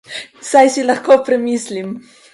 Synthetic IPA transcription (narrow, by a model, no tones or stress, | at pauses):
sajsilɐxkopɾɛmislim